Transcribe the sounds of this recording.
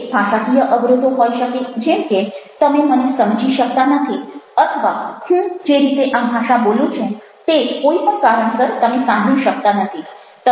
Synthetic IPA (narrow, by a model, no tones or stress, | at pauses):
bʱaʃakijəʔəʋɾʊt̪oɦoiʃəked͡ʒemket̪əmemənesəmd͡ʒiʃək̚t̪anət̪ʰiət̪ʰəʋahũd͡ʒeɾit̪eʔãbʱaʃabolũt͡ʃʰũ | t̪ekoipəɳkaɾəɳ̃səɾt̪əmesãɡʱũʃək̚t̪anət̪ʰi | t̪ə